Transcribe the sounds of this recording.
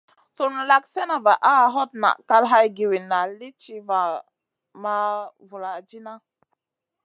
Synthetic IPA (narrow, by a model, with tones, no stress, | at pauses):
so˦nu˨la˦kse˦na˨va˨ʔa˦˨ɦɔ˦t̚na̰˨ka˦lɦa˦jɡi˨wi˨na˨li˦t͡ʃi˦va˨ | ma˦vu˨la˨d͡ʒi˦na˦